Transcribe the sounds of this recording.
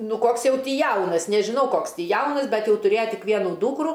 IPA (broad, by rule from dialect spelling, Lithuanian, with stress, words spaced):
ˈnʊ ˈkoːks ˈjɛʊ ˈtʲiː ˈjɛʊnɐs nʲɛʒʲɪˈnɐʊ ˈkoːks ˈtʲiː ˈjɛʊnɐs ˈbʲɛt jɛʊ tʊˈrʲeːjɛ ˈtʲɪk ˈʋʲiɛnʊ ˈduːkrʊ